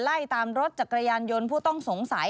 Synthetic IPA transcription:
la˥˩jt̪aː˧mɾo˦˥t̪̚t͡ɕa˨˩kɾa˧jaː˧njo˧npʰuː˥˩t̪ɔ˥˩ŋso˩˦ŋsa˩˦

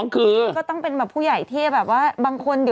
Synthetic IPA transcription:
kʰɯː˧kɔː˥˩t̪ɔ˥˩ŋpe˧nbɛː˨˩pʰuː˥˩ja˨˩˦jt̪ʰiː˥˩bɛː˨˩p̚waː˥˩baː˧ŋkʰo˧nd̪i˨˩

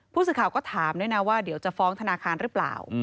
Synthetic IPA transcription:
pʰuː˥˩s̬ɯː˨˩kʰaː˨˩wkɔː˥˩t̪ʰaː˩˦mdɯ˥˩jna˦˥waː˥˩di˨˩˦wt͡ɕa˨˩fɔː˦˥ŋt̪ʰa˧naː˧kʰaː˧nɾɯː˨˦˥pla̰ː˨˩w

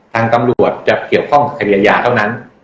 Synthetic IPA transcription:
t̪ʰaː˧ŋt̪a˧mɾuu˨˩ət̪̚t͡ɕa˨˩ki˨˩əwkʰɔ˥˩ŋka˨˩p̚ʰːɾi˧a˧jaː˧t̪ʰa˥˩wna˦˥n

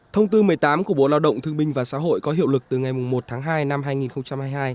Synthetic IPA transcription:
t̪ʰə˧wŋ͡mt̪ɨ˧mɨ˨˩əjt̪aː˨˦mku˧˩əɓo˨˧˩laː˧wɗə̰˧˨ŋ͡mt̪ʰɨ˧əŋɓï˧ŋ̟vaː˨˩sa̰ː˧˥˦ɦo̰˧˨jkɔ˨˦ɦḭ˧˨əwlɨ˨˩k̚t̪ɨ˨˩ŋa˨˩jmʊ˨˩ŋ͡mmo˨˩t̚t̪ʰaː˨˦ŋɦaː˧jna˧mɦaː˧jŋi˨˩nxə˧wŋ͡mt͡ɕa˧mhaː˧jhaː˧j

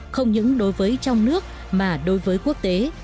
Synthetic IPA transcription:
xə˧wŋ͡mɲɨ̰˧˥ŋɗo˨˦jvəː˨˦jt͡ɕɔ˧wŋ͡mnɨ˦˥ək̚ | maː˨˩ɗo˨˦jvəː˨˦jku˦˥ək̚t̪e˨˦

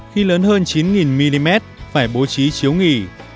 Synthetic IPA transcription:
xi˧ləː˨˦nhəː˧nt͡ɕi˨˦nŋi˨˩nmi˧li˧mɛ˦˥t̚faː˧˩jɓo˨˦t͡ɕi˨˦t͡ɕi˨˦əwŋi˨˩

